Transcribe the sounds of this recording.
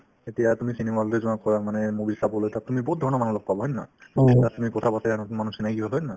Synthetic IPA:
etijatumisinemalɾezɔakɔjamanɛmobilsabɔlojt̪at̪umibɔɦut̪̚dʱɔɹɔnɔmanulɔk̚pabɔɦɔnːa̰itat̪umikɔtʰapataɾanɔtumanusinakiɦɔɦɔjnna

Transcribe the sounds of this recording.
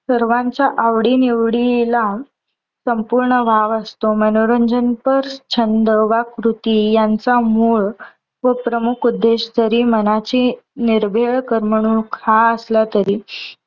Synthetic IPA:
səɾʋãɲt͡ɕaʔaʋɽiniʋɽila | səmpuɾɳəbʱaʋəst̪omənoɾəɲd͡ʑənpəɾt͡ɕʰənd̪əʋakɾut̪ijant͡samuːɭ | ʋəpɾəmukʰud̪ːeɕd͡zəɾiːmənat͡ɕiːniɾbʱeɭkəɾməɽ̃uːnkʰaəslat̪əɾiː

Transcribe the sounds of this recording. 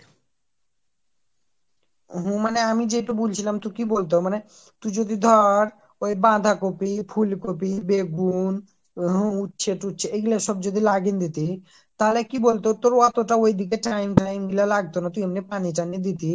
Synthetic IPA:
ɦũmaneamid͡ʑejʈabult͡ɕʰilamt̪ukibolt̪̬omane | t̪ud͡ʑod̪id̪ʱɔɾ | ojbãd̪ʱakopipʰulkopibeɡun | ɦũutːɕʰeʈutːɕʰeeɡileʃɔb̚d͡ʑod̪ilaɡind̪it̪i | t̪alekibolt̪ot̪oɾɔt̪oʈaojd̪ʱikeʈajmʈajmɡilalaɡ̚t̪onat̪uiamnipaniʈ̬anid̪it̪i

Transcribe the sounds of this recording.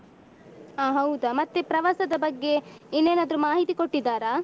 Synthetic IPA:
aːɦɐwd̪ɐmɐt̪ːepɾɐʋaːsɐd̪ɐbɐɡːe̞inːeːnad̪ɐɾumaːɦit̪iko̞ʈːid̪ːaːɾaː

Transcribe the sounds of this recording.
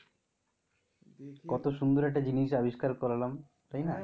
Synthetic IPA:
kɔt̪oʃund̪uɾɛk̚ʈad͡ʑiniʃ̬abiʃkaɾkɔɾalam | t̪ajna

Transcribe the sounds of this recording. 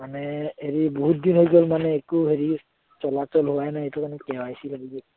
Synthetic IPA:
manɛheɹibɔɦut̚d̪inɦojɡɔlmanɛːkuɦeɹi | t͡ʃɔlatɔlɦʊwajnaejtɔkanɛkɛwajsilaɡibɔ

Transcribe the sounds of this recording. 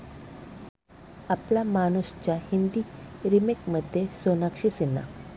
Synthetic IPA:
aplamanust͡ɕjahind̪iɾimekməd̪ʱjesonakɕisinːa̰

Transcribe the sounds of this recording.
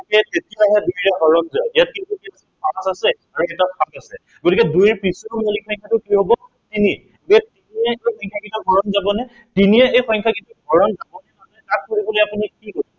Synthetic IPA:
kɛtetijaɦɛdujɹɛɦɔɹɔnzaijat̚kintukiaspasasɛ | aɹuɛtapʰasasɛ | ɡotikɛdujɹpɹisɔmɔlikʰɔj̃ŋkʰatʊkiɦobɔ | tini | bɛtiniɛejxʰɔjŋkʰakintuɡʱɔɹɔnzabɔnɛ | tiniɛejxʰɔj̃ŋkʰakintuɡʱɔɹɔnzabɔnɛnaɛkat̚koɹibɔlojapunikikosɔ

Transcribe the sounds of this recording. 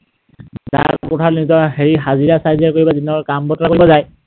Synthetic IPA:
za̰kʊtʰaɹnizɔɹheɹiɦaziɹasajziaɹkoɹibazinɔɹkambɔtɔɹakoɹibɔzaj

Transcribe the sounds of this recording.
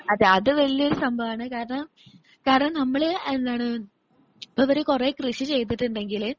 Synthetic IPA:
ɐðeɐðɨʋɐɭijɐo̞ɾusɐmbʱɐʋaːɳɨkaːɾɐɳɐm | kaːɾɐɳɐmnɐmːɐɭend̪aːɳɨ | ɐpːɐʋɐɾekureːkrɨʂit͡ɕe̞jt̪̬ːiʈːuɳɖe̞ŋɡil

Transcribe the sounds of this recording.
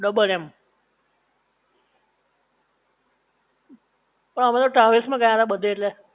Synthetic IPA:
ɖəbəlɛm | pəɳəmãt̪oʈaʋismãɡəjaɦət̪abəd̪ʱːeeʈle

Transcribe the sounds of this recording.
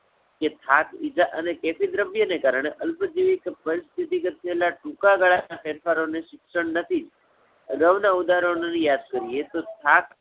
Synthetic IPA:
ket̪ʰakid͡ʒaʔənekefid̪ɾəbjənekaɾəɳ̃eʔəlpəd͡ʒiʋikpəɾist̪ʰit̪iɡət̪̚ːʰəelaʈũkaɡaɭanapɛɾfʰaɾoneʃɪkʃəɳnət̪ʰid͡ʒ | ə̰ɡaʋnaud̪aɦɾəɳonijad̪kəɾiet̪ot̪ʰak

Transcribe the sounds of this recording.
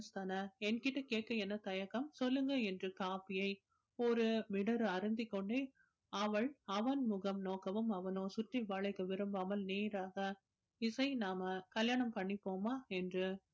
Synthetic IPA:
st̪aːnɐɛnkɪʈːɐkeːʈ̚kɐɛnːɐt̪ɐjɐkːɐmsɔlːɯŋɡɐɛndrɯkaːpɪjɐɪ | ɔɾɯmɪɽɐɾɯɐɾɯnd̪ɪkːɔɳɖe | ɐʋɐɭɐʋɐnmʊɣɐmnoːkːɐʋɯmɐʋɐnoːsʊʈriʋaːɭɐɪkːɯʋɪɾɯmbaːmɐlneːɾaːɣɐ | ɪsɐɪnaːmɐkɐljaːɳɐmpɐɳːɪpːoːmaːɛndrɯ

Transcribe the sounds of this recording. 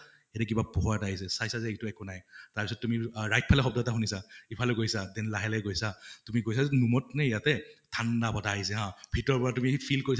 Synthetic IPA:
ɛɾɛk̬ibapɔɦɔataɦisɛsajsazɛɛtuɛkɔnajtaɹpisɔt̚tːumiɹajt̚pʰalɛxɔb̚dɔtaxunisaipʰalɛɡojsadɛnlaɦɛlɛɡojsatumiɡojsazɛnumɔtnɛijatɛtʰandapataːɦisɛɦãbʱitɔɹpɔɹatumiipʰilkoɹis

